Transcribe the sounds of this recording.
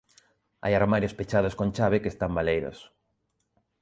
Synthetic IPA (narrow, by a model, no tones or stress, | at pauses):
a̰jaɾmaɾjospet͡ʃaðoskõnt͡ʃaβekeːst̪ambalejɾo̰s